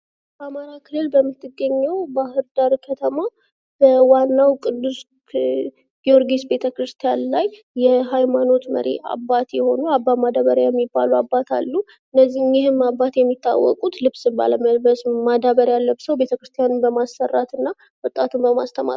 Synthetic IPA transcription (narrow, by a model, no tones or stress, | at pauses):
b̥əamaɾakʰɨlːɨlbəmːɨt̪ʰːɨɡːəɲːɛwbahɨɾd̪aɾkʰət̪ʰəma | b̥əwanːawkʼɨd̪ːus | ɡ̥ioɾɡesbe̞t̪ʰəkɾɨst̪ʰijanlajː | ɛɦajmano̞t̪mə̰ɾḛa̰bːat̪jɛho̞nuabːamad̪aβəɾjajɛmːibːaluabːat̪ʰa̰lːu | ɨnːəzːihnjɪhɨmabːat̪jɛmːit̪ʰːa̰wːɔ̰kʼut̪lɨβsɨba̰ləməlbəsmad̪aβəɾjalːəbsəwbe̞t̪ʰəkɾɨst̪ʰjanɨmbəmasːərːat̪ɨnːa | wɔt̪ʼat̪ʰumbəma̰st̪ʰəma̰